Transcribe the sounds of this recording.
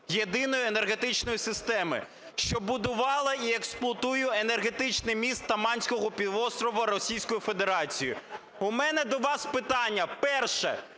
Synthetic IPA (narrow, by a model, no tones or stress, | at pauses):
jed̪ɪnɔjʊenerɦe̞t̪ɪt͡ʃnɔjisɪst̪ɛmɪ̰ | ʃt͡ʃɔbʊd̪ʊʋɑlˠɐieksplˠɐt̪ujʊene̞rɦet̪ɪt͡ʃnɪjmʲist̪ːɐmɑnʲsʲkɔɦɔpʲiʋɔst̪ɾɔʋɐɾɔsʲijsʲkɔjʊfe̞d̪e̞ɾɑt͡sʲijʊ̰ | umɛnɛd̪ɔʋɑspɪt̪ɑnʲːɐpɛrʃɛ̰